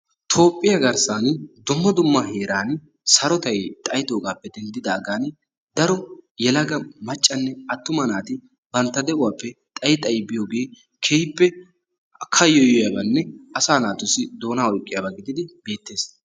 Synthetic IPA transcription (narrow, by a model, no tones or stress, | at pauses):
t̪ʰo̞ːpʼːɪjɐɡɐɾsaːnd̪ʊmːɐd̪ʊmːɐheːɾaːn | sɐɾɔt̪ɐjt̪ʼɐjt̪oːɡaːpːɛd̪ɛnd̪ɪd̪aːɡaːn | d̪ɐɾɔjɛlɐɡɐmɐt͡ʃʼːɐnːɛɐt̪ːʊmɐnaːt̪ɪ | bɐnt̪ːɐd̪ɛʔʊwaːpːɛt̪ʼɐjɪt̪ʼɐjbɪjoːɡe̞ː | kʰejpːɛ | kʰɐjɔjɔjɐbɐnːɛɐsaːnaːt̪ʊsɪd̪o̞ːnaːɔjkʼːɪjabɐɡɪd̪ɪd̪ɪbe̞ːt̪ːe̞ːs